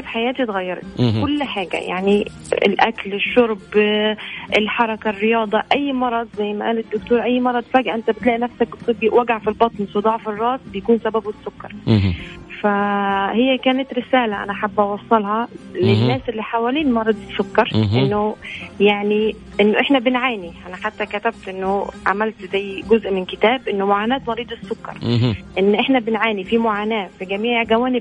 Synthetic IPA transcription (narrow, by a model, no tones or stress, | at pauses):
fħajæːt̪it̪ɣæjːɑɾˤɑ̰t̪kkʊlːħaːɡæ̰ja̰ʕni | ɪ̰lʔæ̰klɪʃːʊɾˤb | ʔɪlħɑɾˤɑkarːɪjɑːd̪ˤɑʔæjːmɑɾˤɑd̪ˤzæjːmæʔæːlɪd̪ːʊkt̪uːɾˤʔæjːmɑɾˤɑd̪fæːɡʕʔɪnt̪æbɪt̪læːʔinæfsæk̚bɪt̪ˤːɨbiʔwæɡaʕfilbɑt̪ˤnsod̪ˤɑʕfɪrˤːɑːt̪bɪjakuːnsæbæbwɪsːʊkːɑɾˤ | fæhejːækæːnɪt̪ɾɪsæːlæʔæ̰næħabːʔɑwɑsˤːɑlhɑlenːæːsʔɪlːiːħawæliːnmɑrˤːɑd̪ˤsokːɑɾˤʔenːojaʕni | ʔenːoʔeħnæbɪnʕaːniʔænæħat̪ːækæt̪æb̚t̪ʔenːoʕa̰mælt̪zæjːɡʊzʔmɪnkɪt̪æːbʔɪnːomoʕaːnæːt̪mɑɾiːd̪ˤesːʊkːɑ̰ɾˤʔenːʔeħnæbɪnʕaːnifimoʕaːnæːfiɡæmiːʕʕɡæwæːnɪb̚